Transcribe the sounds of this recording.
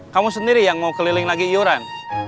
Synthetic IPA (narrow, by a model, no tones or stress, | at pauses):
kamus̬əndiɾijaŋmaukəlilɪŋlaɡijoɾan